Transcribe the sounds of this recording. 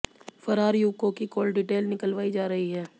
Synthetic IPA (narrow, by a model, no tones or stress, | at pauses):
fɐɾaːɾjuːkõkikoːlɖɪʈeːlnɪkəlʋaːid͡ʒaːɾɐɦiɦɛː